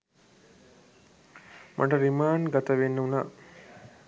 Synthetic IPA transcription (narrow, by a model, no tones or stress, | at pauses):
mʔa̰ʈɐɾimaːnɡat̪ɐʋenːəuna